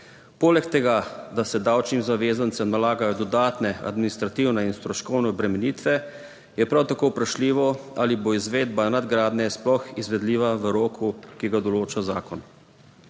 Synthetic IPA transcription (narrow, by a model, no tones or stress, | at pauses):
poːlɛkt̪ɛɡad̪asɛd̪awt͡ʃnimzaʋeːzant̪sɛmnalaːɡajɔd̪ɔd̪aːt̪nɛa̰d̪minist̪ɾat̪iwnɛinst̪ɾɔʃkɔwnɛɔbɾɛmɛniːt̪ʋɛ | jɛpɾawt̪akowpɾaʃliːʋɔaliboizʋeːd̪banad̪ɡɾaːd̪nɛsplɔxizʋɛd̪liːʋaʋəɾoːkʰukiɡad̪ɔloːt͡ʃazaːkɔn